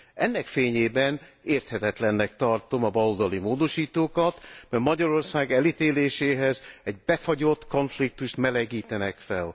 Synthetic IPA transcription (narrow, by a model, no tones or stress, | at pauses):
ʔɛ̰nːɛkfeːɲeːbɛn | eːrt̪hɛt̪ɛt̪lɛnːɛk̚t̪ɒrt̪o̞mɒbɒlod̪ɒlimoːd̪o̞ʃiːt̪oːkɒt̪mɛmɒɟɒɾo̞rsaːɡɛlit̪eːleːʃeːɦɛzɛɟ̚bɛfɒɟo̞t̪ːko̞ɱflik̚t̪uʃt̪mɛlɛɡiːt̪ɛnɛkfɛl